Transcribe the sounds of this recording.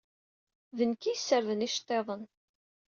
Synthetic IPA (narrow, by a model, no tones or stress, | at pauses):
vənkijsːəɾðəniʃt̪ˤːeðˤən